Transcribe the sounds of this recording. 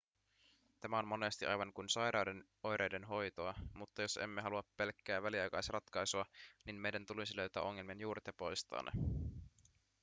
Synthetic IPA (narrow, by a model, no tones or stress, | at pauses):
t̪æmæo̞nmo̞ne̞st̪iʔɑ̰jʋɑŋkunsɑjɾɑwde̞n | o̞jɾʔe̞jde̞nɦo̞jt̪oɑmut̪ːɑjo̞se̞̰mːeɦɑluɑpːe̞lkːæːʋæliɑjkɑjsirɑt̪kɑjsuɑninme̞jdænt̪ulisilø̞ɥt̪æ̰ːʔo̞ŋːe̞lmienjuːɾet̪jɑpo̞jst̪ɑ̰ːnːḛ